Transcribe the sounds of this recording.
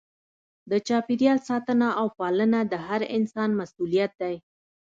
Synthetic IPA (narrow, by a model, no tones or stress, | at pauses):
d̪ət͡ʃɑpiɾjɑlsɑt̪ənaʔawpɑlənad̪əɦaɾɪnsɑnmasulijat̪̚d̪aj